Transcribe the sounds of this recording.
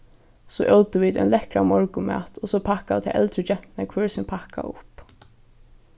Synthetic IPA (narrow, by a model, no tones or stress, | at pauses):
sɔːʔowt̪ɪʋiːd̪ɔ̰nlɛhkɾamɔɹkʊmæ̰ːt̪ɔsɔpʰahkaɪt̪ʰɪʔɛ̰lt̪ɾɪt͡ʃɛht̪nakʰvɛːɹsɛnpʰahka̰ʊ̰hp